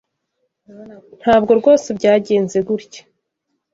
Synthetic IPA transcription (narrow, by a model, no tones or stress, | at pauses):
n̥haːbɡo̞ɾɡo̞ːsebɟaːɟe̞ːnze̞ɡuɾɟe̥